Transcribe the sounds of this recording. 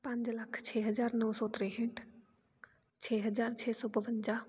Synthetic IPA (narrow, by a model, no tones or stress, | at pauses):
pɐ̃ɲd͡ʒlɐkʰt͡ʃʰɛːɦəd͡ʒaːɾnɔːsɔːt̪ɾeɦẽɳʈ | t͡ʃʰeːɦəd͡ʒaːɾt͡ʃʰeːsɔːpəʋənd͡ʒaː